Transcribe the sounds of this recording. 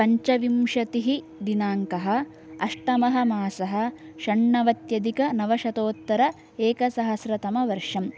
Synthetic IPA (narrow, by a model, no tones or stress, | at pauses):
pɐɲt͡ʃɐʋimʂɐt̪iɦi | d̪inaːŋkɐɦɐ̆ | ɐʂʈɐmɐɦɐmaːsɐɦɐ̆ʃɐɳːɐʋɐt̪jɐd̪ikɐnɐʋɐʃɐt̪oːt̪ːɐɾɐ | eːkɐsɐɦɐsɾɐt̪ɐmɐʋɐɾʂɐm